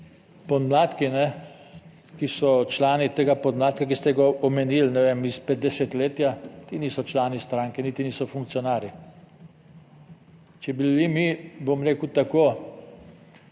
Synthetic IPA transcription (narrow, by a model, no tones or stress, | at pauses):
pɔd̪mlaːt̪kinɛ | kisɔt͡ʃlaːnit̪eːɡapɔd̪mlaːt̪̚kakist̪ɛɡaɔmɛnilnɛʋemispɛt̪d̪ɛset̪leːt̪jat̪iniːsɔt͡ʃlaːnist̪ɾaːŋkɛnit̪iniːsɔfuŋk̚tsijɔnaːɾi | t͡ʃɛbilimibomɾeːkuwt̪ako